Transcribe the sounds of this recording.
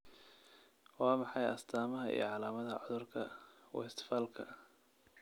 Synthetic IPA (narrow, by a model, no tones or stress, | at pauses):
wɑːmɑħɑjʔɐ̰st̪ʰaːmɐɦɐḭjɔ̰ʕɑlaːmɐðɐʕɔðʊrkʰɐwɔ̰ɛst̪ʰɪ̥faːlkʰɐ